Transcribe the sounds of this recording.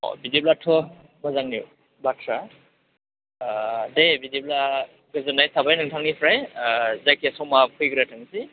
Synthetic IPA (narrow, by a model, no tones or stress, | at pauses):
ɔ̰bidiblatʰɔ | mɔzaŋniu | batʰɾa | dejbidib̚la | ɡɯzɯnajtʰabajnɯŋtʰaŋnipʰɾajzajkʰesɔwmapʰujɡɾatʰaŋsi